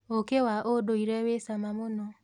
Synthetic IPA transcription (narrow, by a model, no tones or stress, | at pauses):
okewaʔodoiɾɛwesamamonɔ